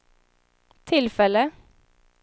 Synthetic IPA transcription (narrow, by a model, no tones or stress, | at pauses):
t̪ʰɪlfɛlə